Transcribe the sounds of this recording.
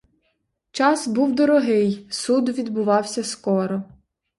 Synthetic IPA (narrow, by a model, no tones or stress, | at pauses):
t͡ʃɑsbuwd̪ɔɾɔɦɪjsud̪ʋʲid̪bʊʋɑwsʲɐskɔɾɔ